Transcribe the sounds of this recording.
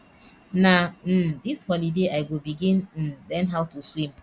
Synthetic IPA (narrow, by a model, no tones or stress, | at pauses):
nan̩dishɔlideaɪɡobiɡinn̩lɛnɦaʊwtuswim